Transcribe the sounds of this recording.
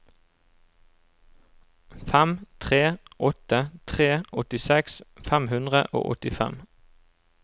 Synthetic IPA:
fæmt̪ʰʁeːʔɔt̪ət̪ʰʁeːʔɔt̪ɪsɛksfæmhʉnd̪ʁə̰ʔo̰ːʔɔ̰t̪ɪfɛ̰m

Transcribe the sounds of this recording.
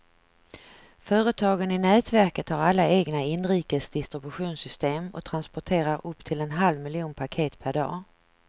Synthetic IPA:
fœːɾət̪ʰɑːɡənɪnɛːt̪væɾkət̪haɾalːaeːɡnaɪnːɾiːkəsd̪ɪst̪ɾɪbɵɧuːnsʏst̪eːmɔ̰t̪ʰɾanspɔʈʰeːɾaɾɵpt̪ʰɪlɛnɦalvmɪlɪjuːnpʰakʰeːt̪pʰæɖɑ̰ː

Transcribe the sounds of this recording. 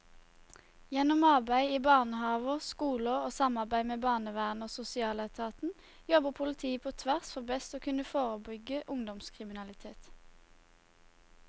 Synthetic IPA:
jɛnɔmɑʁbæɪiːbɑːʁnəhɑːʋəskuːləoːsɑmɑʁbæɪmeːbɑːʁnəʋæːʁnoːsʊsɪɑːlæt̪ʰɑːt̪n̩ | jɔbəʁpʰʊlɪt̪ʰiːəpʰoːt̪ʰʋæʁsfɔʁbɛst̪oːkʰʉnəfoːʁəbʏɡəʔʊŋd̪ɔmskʰʁɪmɪnɑlɪt̪ʰeːt̪

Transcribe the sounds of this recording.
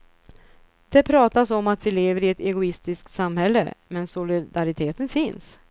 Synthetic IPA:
d̪̥ɛpʰɾɑːt̪asɔmat̪vɪleːvəɾɪɛt̪ɛɡʊɪst̪ɪsk̚t̪samhɛlːə̰mɛnsʊlɪd̪aɾɪt̪ʰeːt̪ənfɪns

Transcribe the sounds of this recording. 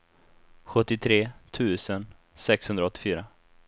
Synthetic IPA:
ɧɵt̪ːɪt̪ʰɾeːt̪ʰʉ̟ːsən | sɛkshɵnd̪ɾaɔt̪ːɪ̥fyːɾa

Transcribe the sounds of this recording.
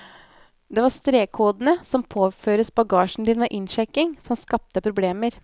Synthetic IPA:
d̪ɛʋɑɾst̪ɾeːkʰuːd̪nəsɔmpʰoːføːɾəsbɑɡɑːʃn̩d̪iːnʋeʔɪnʃɛkːɪŋsɔmskɑp̚t̪əpʰɾʊbleːməɾ

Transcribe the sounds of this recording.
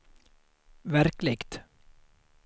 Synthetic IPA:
væɾklɪɡt̪

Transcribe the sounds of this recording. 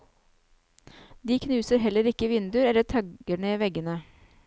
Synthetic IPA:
d̪iːkʰnʉːsəɾɦɛləɾɪkːəʋɪnd̪ʉɾɛlːəʈ̪ʰɑɡəɳeːʋɛɡənə

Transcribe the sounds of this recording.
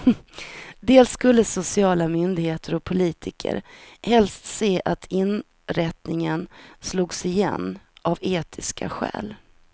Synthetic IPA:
d̪eːlsːkɵlːəsʊsɪɑːlamʏnd̪ɪɡheːt̪ʰəɾɔk̚pʰʊliːt̪ʰɪkʰə̰ɾhɛlst̪seːʔat̪ʰɪn | ɾɛt̪nɪŋənsluːɡsɪjɛ̰nːʔaveːt̪ʰɪskʰa̰ɧɛ̰ːl

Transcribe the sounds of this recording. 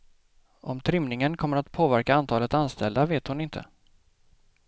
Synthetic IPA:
ʔɔmt̪ʰɾʏmnɪŋənkʰɔmːəɾat̪pʰoːvæɾkaant̪ʰɑːlət̪anst̪ɛld̪aveːt̪hʊnɪnt̪ʰə̰

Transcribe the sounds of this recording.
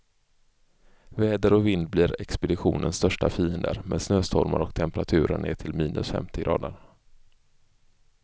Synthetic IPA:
vɛːd̪əɾɔkvɪnd̪̚bliːɾɛkspɛd̪ɪɧuːnʔənst̪œʂʈafiːənd̪ə̰ɾmɛnsnøːst̪ʰɔɾma̰ɾɔk̚t̪ʰɛmpɛɾat̪ʰʉ̟ːɾəɳeːʈʰɪlmiːnʔɵsfɛ̰mt̪ʰɪɡɾʔɑ̰ːd̪əɾ

